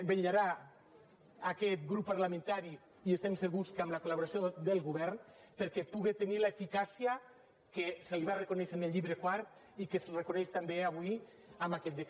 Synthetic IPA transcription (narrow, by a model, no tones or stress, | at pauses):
beʎaɾa | akɛt̪ɡɾupːaɾlamẽnt̪aɾi | iest̪emseɣuskamlakolaβoɾasjod̪elˠɣuβɛɾn | peɾkepuɣet̪enilaefikasia | keseliβarekoneʃeneʎːiβɾekwaɾt̪ | ikesrekonɛʃt̪ambeaβwui | amakɛt̪̚d̪ek